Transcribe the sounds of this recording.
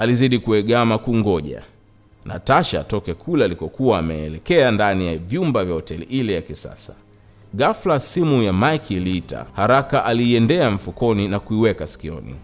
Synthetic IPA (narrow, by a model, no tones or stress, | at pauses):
aliziɗikuɛɠamakuŋɡɔʄa̰ | nʔa̰taʃa̰tɔkɛkʰulaːlikɔkuwaːmɛɛ̰lɛkɛandanijavjumbavjahɔtɛlḭʔilɛjakisa̰sa | ɠaflasimujamajkʰilita̰haɾakaʔaliːɛndɛaɱ̩fukɔninakuiwɛkasi̥kiɔ̰nḭ